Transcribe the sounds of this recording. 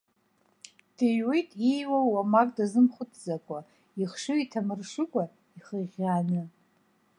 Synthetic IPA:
d̥ejwejtʼejwawamakʼdazɨmχʷʊtʰʼzakʷʼa | iχʂɨitʰamɨrʂɨkʷʼa | iχəʁʲanɨ

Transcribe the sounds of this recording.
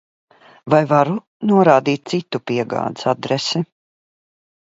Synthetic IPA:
vajvaɾu | nuɔɾaːd̪iːt̪̚t̪sit̪upiɛɡa̰ːd̪i̥sad̪ɾɛsɛ

